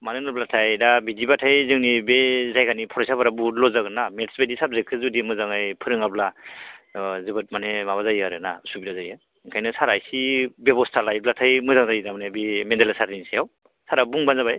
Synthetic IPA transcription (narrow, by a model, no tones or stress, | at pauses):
manɯnɯblatʰajdabidibatʰajzɯŋnibezajkʰanipʰɔɾajsabaɾabulɔzaɡnametsbedisab̚zekʰɯzudimɯzaŋajpʰɯɾɯŋabla | zɯbɯt̚manemaβazajaɾɯnasubilazajɯ | ŋkʰajnɯsaɾajsibebɔstʰalajblatʰajmɯzaŋzajidamanebimendalasaɾinisajaw | saɾabuŋbanzaβaj